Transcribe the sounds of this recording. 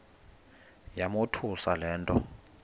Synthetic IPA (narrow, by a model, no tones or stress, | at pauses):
jamotʰusalɛːntʼɔ